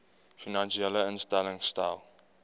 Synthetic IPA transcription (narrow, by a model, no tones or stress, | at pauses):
finãnʃiɛləə̃nstalɪ̃ŋstaɪlˠ